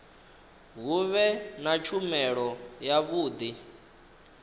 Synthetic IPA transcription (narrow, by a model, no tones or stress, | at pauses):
ɦuβɛnat͡ʃʰumɛɺɔjaβuːd̪i